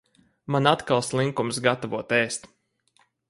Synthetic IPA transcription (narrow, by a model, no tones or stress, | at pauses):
manat̪kalˠslˠiŋkumsɡat̪avuɔt̪ɛːst̪